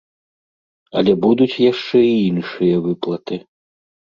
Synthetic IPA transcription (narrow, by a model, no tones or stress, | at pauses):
ɐlʲɛbud̪ut͡sʲjaʂt͡ʂɛiinʂɨjɐvɨplˠɐt̪ɨ